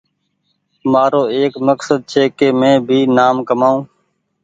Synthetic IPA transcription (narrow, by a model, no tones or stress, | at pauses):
maːɾoːeːkməksəd̪̚t͡ʃʰeːkeːmẽːbʱiːnaːmkəmaːũː